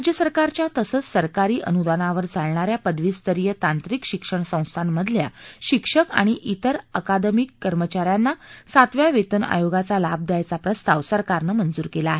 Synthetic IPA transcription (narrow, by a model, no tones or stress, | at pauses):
ɾad͡ʑjəsəɾkaɾt͡ɕjat̪əsət͡ssəɾkaɾiːʔə̰nud̪anaʋəɾd͡zʱaɭɳaɾjapəd̪ʋiːst̪əɾijət̪ãnt̪ɾikɕikʂəɳsə̃w̃st̪ʰanməd̪ʱlja̰ɕikʂəka̰ɽ̃iʔit̪əɾəkad̪əmikːəɾmət͡ɕaɾjanːasat̪ʋjaʋet̪əna̰joɡat͡salab̚d̪jajt͡sapɾəst̪ʰaʋsəɾkaɾnəmənd͡zuːɾkelaːɦe